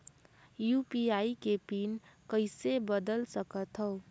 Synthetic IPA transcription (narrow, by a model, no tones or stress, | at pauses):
jupiaːikepinkəɪsebəd̪əlsəkət̪ɦɔʊ